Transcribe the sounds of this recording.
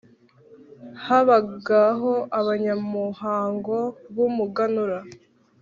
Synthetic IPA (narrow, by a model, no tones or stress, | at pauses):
haβaɡaɦo̞ʔaβaɲamuhaːŋɡo̞βumuɡanuɾa